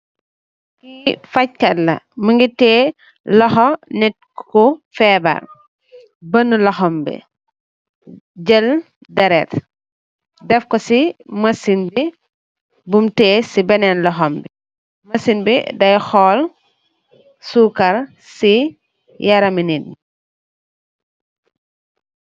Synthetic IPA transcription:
kifac̚kɐlɐ̰məŋɡitɛː | lɔxɔnɛt̚kkɔfɛːbɐ̰r | bənːulɐxɔmbḭ | ɟəl | dɐɾɛt | dɛfkɔsimɐsinbi | bumtɛːsibɛnɛnlɔxɔmbi | mɐsinbḭdɐjxɔːl | suːkɐɾ | si | jaɾɐminin

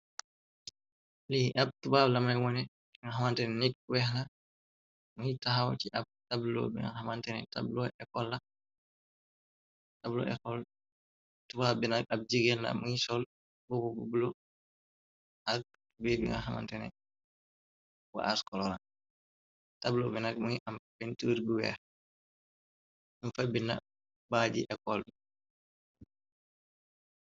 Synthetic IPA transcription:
liʔab̚tubablamanɛwɔnɛ | iŋaɦamantɛnɛnik̚wɛhna | muitaɦawtiʔab̚tablo̰bḭŋa̰hamantɛnɛ̰ta̰blɔɛkɔlːa | tablɔ̰ʔɛ̰kɔl | tubabinaʔab̚d͡ʒiɡɛlːa̰muisɔl | bubububulɔ | ʔak̚ | bebḭŋa̰ɦama̰ntɛnɛ̰ | wa̰ʔaskɔlɔɾa | tablɔbɛnaɡ̚muiʔampintuɾbiwɛ̰ | unfabina̰ | bad͡ʒḭʔɛkɔldɛ

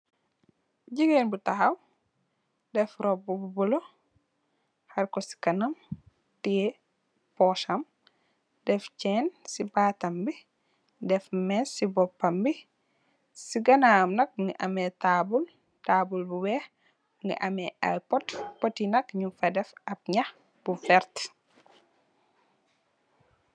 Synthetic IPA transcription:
ɟiɡenbutaxɐw | dɛfɾɔbububulo | hɐɾkɔsi̥kɐnɐm | ti | pɔʃɐm | dɛft͡ʃɛːnsibatɐmbi | dɛfmɛsibɔpːɐmbi | siɡɐnamnɐk̚ŋɡiʔɐmɛtabul | taːbulbuwɛh | ŋɡḭʔɐmɛʔa̰jpɔtpɔtːinɐkɲufɐdɛfɐp̚ɲɐx | b̥ufɛɾt

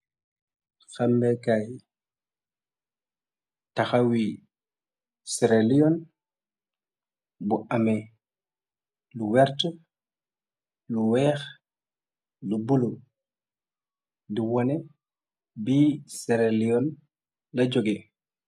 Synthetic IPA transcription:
xambɛkaj | taxawi | sɛɾɛlijɔn | buʔamɛ | luwɛɾtɔ | luwɛːx | lubulu | diwɔnɛ | bisɛɾɛlijɔn | lad͡ʒoɡɛ

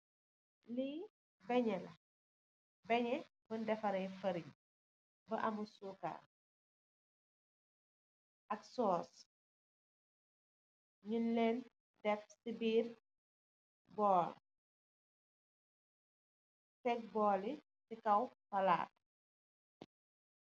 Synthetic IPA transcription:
liː | bɛɲɛlɐ | bɛɲɛ | bəndɛfɐɾɛjfɐɾiɲ | bɐʔɐmusuka̰ː | ʔɐksɔːs | ɲunlɛːn | dɛfsibiːr | bɔːl | tɛk̚bɔːli | sikɐwfɐla̰ːt̚

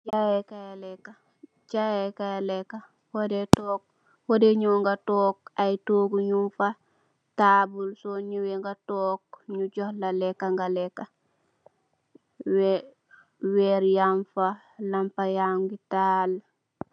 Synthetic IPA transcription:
d͡ʒajekajalɛkːa | d͡ʒajekajalɛkːa | wodɛtɔːk̚ | hodɛɲɔŋɡatɔːk̚ajtoːɡuɲunfa | taːbulsɔɲuwɛŋɡatɔːk̚ɲuɟɔhlalɛkːaŋɡalɛkːa | w | wɛɾjaɱfa | lampajaŋɡitaːl

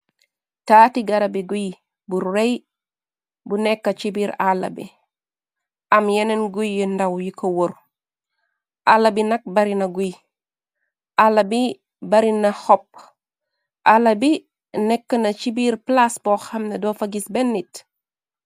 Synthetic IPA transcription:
taːtiɡɐɾɐbiɡuj | buɾrej | bunɛkːɐt͡ʃibiɾalːɐ̰bḭ | ʔɐmjenenɡujindɐwjikowoɾ | ʔalːɐbinɐk̚bɐɾinɐɡuj | ʔalːɐbi | bɐɾinɐhɔp̚ | ʔalɐbi | nɛkːɐnɐt͡ʃibiɾplasboxɐmnɐdofaɡisbenːit

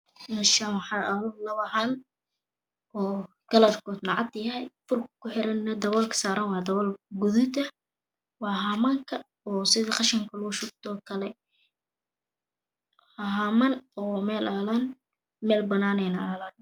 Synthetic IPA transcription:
ɪnʃaħɑɾʔɐlʊlɐβɐɦaːn | ɔː | ɡ̥ɐlɐrkʰɔːd̪nɑʕɑd̪jɐɦɛjfʊrkʰkʰːʊħɪɾɐnːɐd̪ɐβɔlkʰɐ̥saːɾɐnwɑːd̪ɐβɔlɡʊðɪt̪ɐ | wɑːɦaːmaːŋkʰɐ | ɔːsɪðɐqɑʃɐŋkʰɐlʊɣʊʃʊɡ̚t̪ʰɔːkʰɐlɛ | haɦaːmɐnɔːmɛːlaːlɐn | mɛːlbɐnaːnɛnɐalɐn

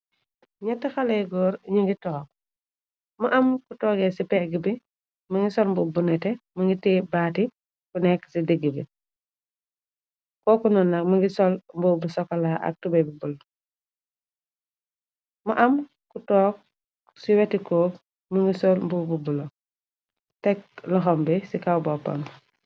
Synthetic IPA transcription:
ɲɐtːɐxalejɡɔːɾɲiŋɡitɔːk̚ | mɐʔɐmkutɔːɡɛsipɛɡibi | mɐŋɡisɔlmbubunɛtɛmɐŋɡitɛːbaːti | kunɛkːsidiɡibi | kɔːkunɔnːɐk̚mɐŋɡisɔlmbubusɔkːɐlaʔɐ̰k̚tubebibul | muʔɐm | kutɔːk̚ | siwɛtikɔːk | muŋɡisɔlmbububulo | tɛk̚lɔxɔmbisikawbɔpːɐ̰m

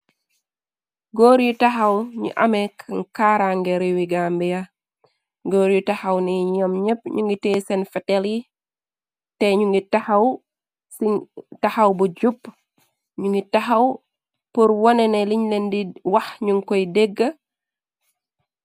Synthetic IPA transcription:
ɡoːɾjutaxawɲṵʔɐ̰mɛkŋkaɾaŋɡɛɾiwiɡambija | ɡoːɾjutahawniɲɔmɲəp̚ɲuŋɡiteːsɛnfɛtɛli | tɛɲuŋɡitahaw | sitahawbud͡ʒupː | ɲuŋɡitaxɐw | puɾwɔnɛnɛliɲlendiwɐxɲuŋkɔjdeɡːə

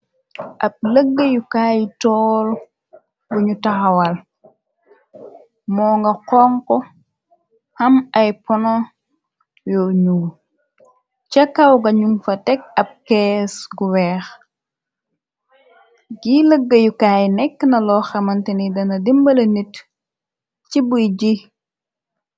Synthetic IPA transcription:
ʔɐb̚ləɡːəjukaːjitɔːl | buɲutɐxɐwɐl | mɔːŋɡɐqɔŋkɔ | hɐmɐjpɔnɔ | jɔɲuːl | t͡ʃɐkːɐwɡɐɲuŋfɐtɛk̚ɐb̚kɛːsɡuwɛːx | ɡiləɡːəjukaːjnɛkːnɐlɔːxɛmɐntɛnidɐnɐdimbɐlɐnit | t͡ʃibujɟi

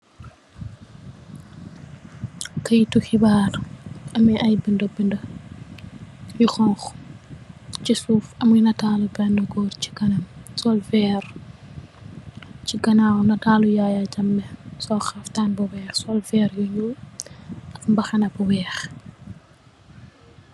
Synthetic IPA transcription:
kɐjituxibaːrɐmiɐjbindɔbindɐ | jixɔŋx | t͡ʃisuːfɐmunɐtaːlubɛndɐɡɔːrci̥ɡɐnɐmsɔlfɛːɾ | t͡ʃiɡɐnanɐtaːlujajaɟɐmːɛsɔxɐftaːnbɐwɛːxsɔlfɛːɾjuɲu | ɐkmbɐxɐnɐbɔwɛːx

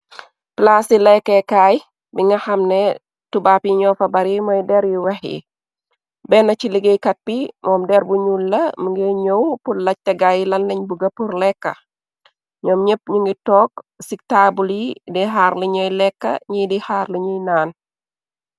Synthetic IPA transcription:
plasilɛkːɛkaːj | biŋɡɐxɐmnɛ | tubapjiɲɔːfɐbɐɾimɔjdɛɾjiwɛxḭ | bɛnɐciliɡejkɐt̚bimɔːmdɛɾbuɲulːɐmuŋɡeɲowpulɐc̚tɐɡajilɐnlɐɲbuɡɐpurlɛkːɐ̰ | ɲɔːmɲep̚ɲuŋɡitɔːk̚sik̚taːbuljidiɦaːɾliɲɔjlɛkːɐ̰ɲidihaːrliɲujnaːn

